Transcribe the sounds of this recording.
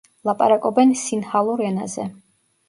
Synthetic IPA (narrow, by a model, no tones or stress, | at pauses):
lˠapʼaɾakʼɔbɛnsinhalˠuɾɛna̰zɛ̰